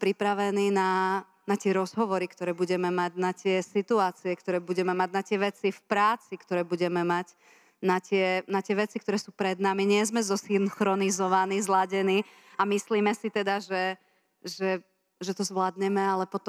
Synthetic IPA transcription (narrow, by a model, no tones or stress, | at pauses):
pɾipɾaʋɛniːna | nat̪ɪɛɾɔzɦɔʋɔɾikt̪ɔɾɛːbuɟɛmɛmaɟnat̪ɪɛsit̪uaːt͡siɛkt̪ɔɾɛːbuɟɛmɛmaɟnat̪ɪɛʋɛt͡sifpɾaːt͡sikt̪ɔɾɛːbuɟɛmɛmac | nat̪ɪɛnat̪ɪɛʋɛt͡sikt̪ɔɾɛːsuːpɾɛd̪namiɲɪɛzmɛzɔsinxɾɔnizɔʋanizlaɟɛniː | amisliːmɛsit̪ɛd̪aʒɛ | ʒɛ | ʒɛt̪ɔzʋlad̪ɲɛmɛalɛpɔt̪ɔ